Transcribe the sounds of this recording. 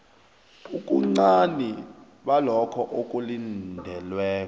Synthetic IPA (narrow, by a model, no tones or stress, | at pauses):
ukʼuŋ͡ǀani | ɓalɔkʰɔʔokʼulindʱɛlwɛːkɔ